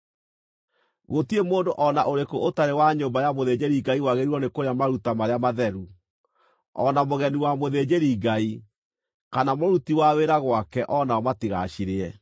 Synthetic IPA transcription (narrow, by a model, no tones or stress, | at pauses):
ɣotiemoːndoʔɔnaʔoɾekoʔotaɾewaɲoːmbajamoðed͡ʑeɾiɡaiwaɣeɾiɾɔnekoɾeamaɾutamaɾeamaðɛɾu | ɔnamoɣɛniwamoðed͡ʑeɾiɡai | kanamoɾutiwaweɾaɣwakɛʔɔnaɔmatiɣa̰ʃiɾeɛ